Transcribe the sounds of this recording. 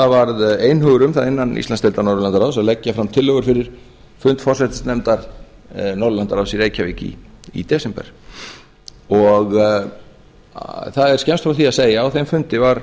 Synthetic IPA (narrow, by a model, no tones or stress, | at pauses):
θavaɾðeːjnɦœːɣʏɾʏmθaðɪnːanḭst̪anst̪ɛlt̪aɾnɔɾʏlant̪aɾaðsaðlɛcːafɾamt̪ʰɪlːœɣʏɾfɪɾɪɾ̥ | fʏnt̪fɔr̥sɛt̪ɪsnɛmt̪aɾ̥ | nɔɾðʏlant̪aɾawsiɾeːjcʰaviːcḭːt̪ɛːsɛmpɛ̰ɾ̥ | ɔɣ | θaðɛɾ̥scɛmst̪fɾawθiaseːjaawθejmfʏnt̪ɪvaɾ̥